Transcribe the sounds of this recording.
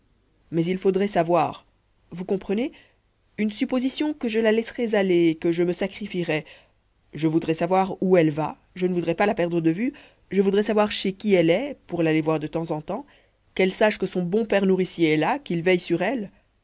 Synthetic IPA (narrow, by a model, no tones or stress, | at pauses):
mɛzilfod̪ʁɛsavwaːʁ | vukɔ̃pχəne | ynsypozisjɔ̃kəʒəlalɛsʁɛzaleːkəʒəməsakχifiʁɛ | ʒəvud̪ʁɛsavwaʁuɛlva | ʒənəvud̪ʁɛpalapɛʁd̪ʁəd̪əvy | ʒəvud̪ʁɛsavwaʁʃekʲiɛlɛpuʁlalevwaʁd̪ət̪ɑ̃zɑ̃t̪ɑ̃ | kɛlsaʃkəsɔ̃bɔ̃pɛʁnuʁisjeɛlakilvɛjsyʁɛl